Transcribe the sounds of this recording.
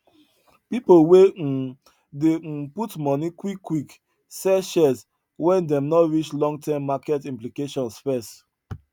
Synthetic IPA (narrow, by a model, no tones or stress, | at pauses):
pipolwe | deputmɔnikwikːwik | sɛʃɛs | wɛ̃ndɛ̃mnɔtɹit͡ʃlɔ̃ŋɡ̚tʰɛmːakɛtĩmplikeʃɔ̃nsfɛs